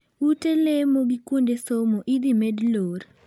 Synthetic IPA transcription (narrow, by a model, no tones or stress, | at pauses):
utelemoɡikwondesomoʔid̪imedloɾ